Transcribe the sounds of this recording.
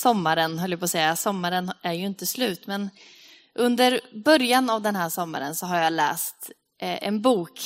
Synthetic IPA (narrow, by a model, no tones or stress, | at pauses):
sɔmːaɾənɦœlːjəpʰɔːsɛjːasɔmːaɾənæɾjɵɪnt̪əslʉ̟ːt̪mɛn | ʔɵnd̪əɾbœɾjanavd̪ɛnɦæːʂɔmːa̰ɾənsɔɦaɾjalɛ̰ːst̪ | ʔɛnbuːk